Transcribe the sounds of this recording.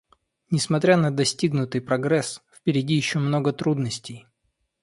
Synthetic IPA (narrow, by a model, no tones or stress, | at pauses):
nʲɪsmɐt̪ɾʲanəd̪ɐsʲtʲiɡnʊt̪ɨjpɾɐɡɾɛsfpʲɪɾʲɪdʲijɪɕːomno̞ɡət̪ɾud̪nəsʲtʲɪj